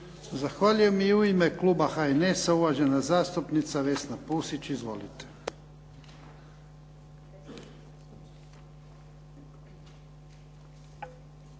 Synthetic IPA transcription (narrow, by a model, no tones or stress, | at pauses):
zaxʋaːʎuje̞miiuimekluːbaxaenesauʋaʒe̞nazaːst̪upnit̪saʋe̞snapuːsit͡ɕizʋo̞̰lḭt̪e̥